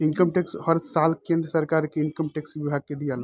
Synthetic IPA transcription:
ɪnkəmʈeksɦəɾsaːlkẽːnd̪ɾəsɐɾkaːɾkeɪnkəmʈeːksʋɪbʱaːɡ̚ked̪ijaːl

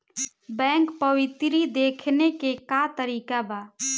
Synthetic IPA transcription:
bɛ̃ːŋkpəwɪt̪ɾid̪eːkʰnekekat̪əɾiːkabaː

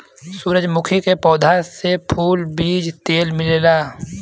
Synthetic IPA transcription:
suːɾəd͡ʒmʊkʰikepɔːd̪ʱasepʰuːlbiːd͡ʒt̪eːlmɪlelaː

